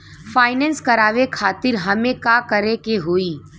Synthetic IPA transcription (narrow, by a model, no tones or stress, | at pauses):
faːɪnɛːnskɐɾaːʋekʰaːt̪ɪɾɦɐmẽkakəɾekeɦoːiː